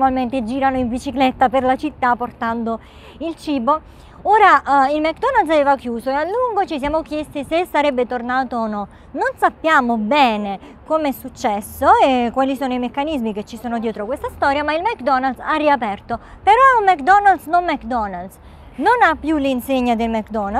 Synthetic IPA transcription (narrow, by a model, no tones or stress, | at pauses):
malment̪ed͡ʒiːɾanoiɱvit͡ʃiklɛt̪ːaperlat͡ʃit̪ːapːort̪and̪o | ilt͡ʃiːbo | oːɾailmɛkːd̪ɔnald̪s̬aveːvakjuːsoealːuŋɡot͡ʃis̬jaːmokjest̪isesːaɾɛbːet̪ornaːt̪oːnɔ | nonsapːjaːmobɛːnekomeɛsːut͡ʃːɛsːoekwalisoːnoimekːanizmiket͡ʃːisoːnod̪jɛːt̪ɾokwest̪ast̪ɔːɾjamailmɛkd̪ɔnald̪sarːiapɛrt̪opeɾɔumɛkd̪ɔnald̪snonmɛkd̪ɔnald̪s | nonapːjulinseɲːad̪elmɛkd̪ɔna